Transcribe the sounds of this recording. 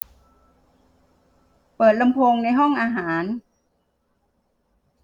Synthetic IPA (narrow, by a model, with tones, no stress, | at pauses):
pɤː˨˩t̪̚la˧mpʰo˧ŋna˧jɦɔ˥˩ŋʔaː˧ɦaː˩˦n